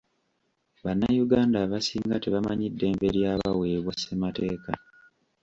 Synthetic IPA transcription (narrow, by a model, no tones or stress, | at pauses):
βanːajuɡaːndaβasiːŋɡateβamaɲidːe̞ːmbe̞ɾjaːβawe̞ːβwasemate̞ːka